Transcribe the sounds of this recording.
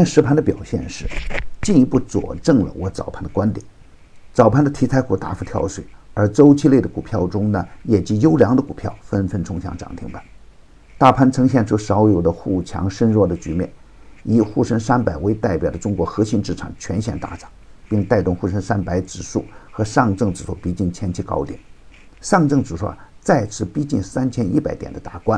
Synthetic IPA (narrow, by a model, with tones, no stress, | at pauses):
ɛ˥˧nʂɻ̩˧˥pʰa˥nd̪ə˧pjɑ˨˩ʊɕjɛ̰˥˧nʂɻ̩˥˩t͡ɕi˥˧ni˧˥pu˥˩t͡swɔ̰˨˩ʈ͡ʂɤ˥˩ŋlə̰˩wʔɔ˧˥t͡sɑ̰˨˩ʊpʰa˥˩nd̪ə˨kwa˥nt̪jɛ̰˨˩˦n | t͡sɑ˨˩ʊpʰa˥˩nd̪ə˧t̪ʰi˧˥t͡sʰa˧˥ɪku˨˥˩t̪a̰˥˩fu˧˩t̪ʰjɑ̰˥˧ʊʂwe˨˩ɪə˞˧˥ʈ͡ʂo˥ʊt͡ɕʰi˥le˥˩ɪd̪ə˩ku˨˩pʰjɑ˥˩ʊʈ͡ʂʊ˥ŋnə˨jɛ˨˩t͡ɕi˧˥jo˥ʊljɑ˧˥ŋd̪ə˧ku˨˩pʰjɑ̰˥˩ʊfə˥nfə˥nʈ͡ʂʰʊ˧˥ŋɕjɑ̰˧˥ŋʈ͡ʂɑ̰˨˩ŋt̪ʰi˧˥ŋpa˧˦n | t̪a˥˩pʰa˥nʈ͡ʂʰɤ˧˥ŋɕ̬jɛ˥˧nʈ͡ʂʰu˥ʂɑ˧˥ʊjo˨˩ʊd̪ə˦xu˥˩t͡ɕʰjɑ̰˧˥ŋʂə˥nɻwɔ˥˩d̪ə˩t͡ɕy˧˥mjɛ̰˥˩n | i˨˩xu˥˩ʂə˥nʂa˥npa˨˩ɪwe˧˥ɪt̪a˥˩ɪpjɑ˨˩ʊd̪ə˦ʈ͡ʂʊ˥ŋkwɔ˧˥xɤ˧˥ɕi˧˥˧nʈ͡ʂɻ̩˥˩ʈ͡ʂʰɑ̰˨˩ŋt͡ɕʰɥɛ˧˥nɕjɛ̰˥˩nt̪a̰˥˩ʈ͡ʂɑ̥˨˩˦ŋpi˥˧ŋt̪a˥˧ɪt̪ʊ˥˧ŋxu˥˩ʂə˥ŋʂa˥npa˧˥ɪʈ͡ʂɻ̩˨˩ʂu˥˩xɤ˧˥ʂɑ˥˧ŋʈ͡ʂɤ˥˩ŋʈ͡ʂɻ̩˨˩ʂu˥˩pi˧˥t͡ɕi˥˩ŋt͡ɕʰjɛ˥nt͡ɕʰi˧˥kɑ̰˥ʊt̪jɛ̰˨˩n | ʂɑ˥˧ŋʈ͡ʂɤ˥˧ŋt͡s̩˨˩ʂwɔ̰˥˩t͡sa˥˧ɪt͡sʰɹ̩˥˩pi˥t͡ɕi˥˩nsa˥nt͡ɕʰjɛ˥ni˥˩pa˨˩ɪt̪jɛ̰˨˩nd̪ə˦t̪a̰˥˩kwa˥n